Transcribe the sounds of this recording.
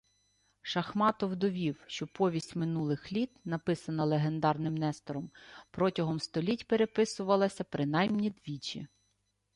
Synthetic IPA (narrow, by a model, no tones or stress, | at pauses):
ʃɐxmɑt̪ɔwd̪ɔʋʲiwʃt͡ʃɔpɔʋʲisʲtʲmɪnulˠɪxlʲit̪nɐpɪsɐnɐlˠeɦe̞nd̪ɑrnɪmnɛst̪ɔɾɔmpɾɔtʲɐɦɔmst̪ɔlʲitʲpeɾepɪsʊʋɐlˠɐsʲɐpɾɪn̪ɑjmnʲid̪ʋʲit͡ʃʲḭ